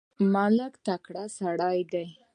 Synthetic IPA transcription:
maləkt̪akɽasaɽɑjd̪aj

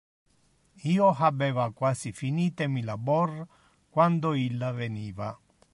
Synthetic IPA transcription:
iːoɦabɛːvakwaːsifiniːt̪ɛmilabɔr | kwand̪oilːaveniːva

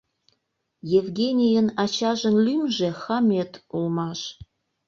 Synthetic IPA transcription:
jevɡʲenʲijənɑt͡ɕɑʒə̆nlymʒexɑmʲet̪ulmɑʃ

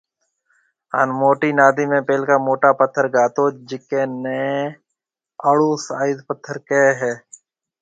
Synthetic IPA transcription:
a̰ːnmoːʈiːnaːd̪iːmẽːpeːlkaːmoːʈaːpət̪ʰːəɾɡaːt̪oːd͡ʒɪkeːneː | əɽuːsaːɪd̪pət̪ʰːəɾkeːɦɛː

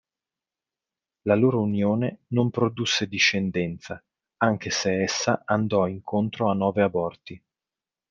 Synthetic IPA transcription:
laloːɾounjoːnenompɾod̪usːed̪iʃːend̪ɛnt̪sa | aŋk̟eseɛsːaand̪ɔiŋkʰont̪ɾoanːɔːveabɔrt̪i

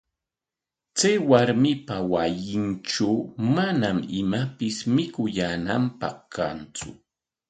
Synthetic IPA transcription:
t͡sajwaɾmɪpawajɪnʈ͡ʂawmanamɪmapɪsmɪkʊjanampɑχkant͡sʊ̰

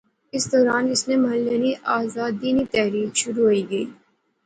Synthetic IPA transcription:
ɪsd̪ɔːɾaːnɪsnemɐɦəlːəniʔaːzaːd̪ːiːnit̪ɛɦɾiːkʃʊɾuɦoiɡɐiː

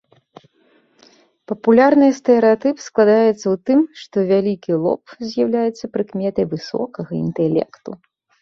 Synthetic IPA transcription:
pɐpulʲarnɨjst̪ɛɾɛat̪ɨpsklˠad̪ajɛt̪sːɐwt̪ɨmʂt̪ɔvʲalʲikʲilˠɔ̰pzʲjawlʲajɛt̪sːɐpɾɨkmʲɛt̪ɐjvɨsɔ̰kɐɣɐḭnt̪ɛlʲɛ̰kt̪u

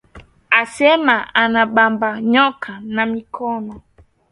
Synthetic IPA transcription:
asɛmaanaɓambaɲɔkʰanamikʰɔnɔ

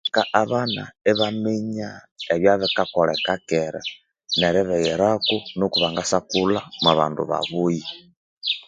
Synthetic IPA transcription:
kaʔaβana̰ɛβamɛɲaeβjaβɛkakɔlɛkakɛɾa̰ | nɛɾɛβɛɣɛɾakunokuβaŋɡasakulamaβa̰ndṵβa̰βuji

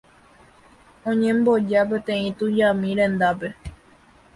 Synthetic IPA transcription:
õɲẽ̞mbo̞d͡ʒape̞t̪ẽ̞ĩt̪ud͡ʒamĩɾẽ̞nd̪ape̞

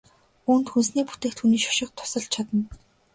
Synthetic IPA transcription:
uːnt̪xunsniːpu̥t̪eːkt̪xuniːʃɔ̥ʃɪ̆q̚t̪ʰʊ̥sə̆ɮt͡ɕʰat̪ə̆n

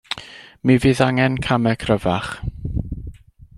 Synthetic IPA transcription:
miviːðaŋɛnkʰamɛkʰrəvaχ

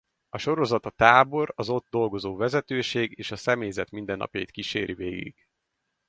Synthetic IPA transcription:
ɒʃo̞ɾo̞zɒt̪ɒt̪aːbo̞ɾɒzo̞d̪̚d̪o̞lɡo̞zoːvɛzɛt̪øːʃeːɡeːʃɒsɛmejzɛt̪mind̪ɛnːɒ̰pjɒ̰jḭt̪̚kiʃeːɾʔivḛːɡḭɡ̥

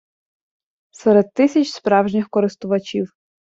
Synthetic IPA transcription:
sɛɾed̪̚t̪ːɪsʲɐt͡ʃspɾɑwʒnʲɪxkɔɾɪst̪ʊʋɐt͡ʃʲiw

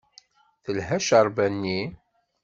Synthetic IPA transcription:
θəlɦæʃəɾˤbænːi

